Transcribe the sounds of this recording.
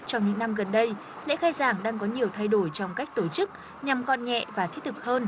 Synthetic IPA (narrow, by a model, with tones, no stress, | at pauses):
t͡ɕɔ˧wŋ͡mɲɨ̰˧˥ŋna˧mɣə˨˩nɗə˧j | lḛ˧˥xaː˧jzaː˧˩ŋɗaː˧ŋkɔ˨˦ɲi˨˩əwt̪ʰa˧jɗo˧˩jt͡ɕɔ˧wŋ͡mka˦˥k̚t̪o˧˩t͡ɕɨ˦˥k̚ | ɲa˨˩mkɔ̰˧˨nɲɛ̰˧˨vaː˨˩t̪ʰi˦˥t̚t̪ɨ˨˩k̚həː˧n